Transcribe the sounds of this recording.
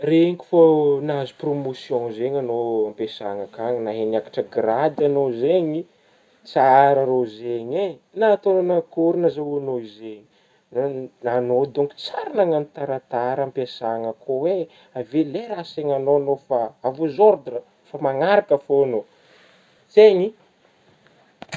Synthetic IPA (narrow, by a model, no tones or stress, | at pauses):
reɲki̥fonazu̥promosjõzeɲanoampesaŋakaŋnaɦenakḁʈ͡ʂəɡrad̪anozeɲi | t͡saɾəɾozeɲe | nat̪ononakuɾinazauanoizeɲi̥ | anod̪uŋku̥t͡saɾanaŋanit̪aɾat̪aɾampesaŋəkʰowe | aveleɾaseɲanoanofaavuzoɾd̪ɾə | famaŋaɾakəfoano | z̥eɲi